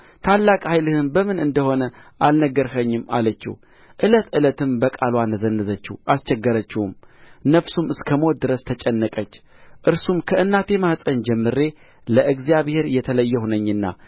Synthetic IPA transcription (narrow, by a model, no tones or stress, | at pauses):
t̪ʰalːakʼhajlɨhɨnbəmɨnɨnd̪əho̞nəʔalnəɡːəɾhəɲːɪma̰lət͡ʃːɪ̰h | ʔɨlət̪ɨlət̪ʰɨmbəkʼalwanəzənːɨzət͡ʃːɪhʔast͡ʃɛɡːəɾət͡ʃːɪhumnəfsumɨskʰəmot̪̚d̪ɨɾəst̪ʰət͡ʃʼɛnːəkʼət͡ʃː | ʔɨɾsumkʰəɨnːat̪ʰe̞mahsʼənd͡ʒɛmːɨɾe̞ | ləʔɨɡzijaβhe̞ɾjɛt̪ʰələjːɛhunəɲːɨnːa̰